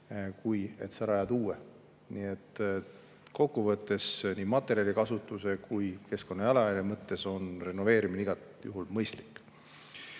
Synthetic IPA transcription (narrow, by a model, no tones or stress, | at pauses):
kuje̞̰t̪sɑɾɑjɑd̪uːe | niːet̪ːˑ | ko̞kːuvɤt̪ˑːe̞sniːmɑt̪ːˑe̞ɾiɑlʲikɑsut̪ːˑuse̞kujke̞sko̞nːɑjɑlɑjɑljɑmɤt̪ːe̞so̞nre̞nːo̞ve̞ːɾimineiɡ̥ɑt̪jṵɦulmɤjst̪li̥kːˑ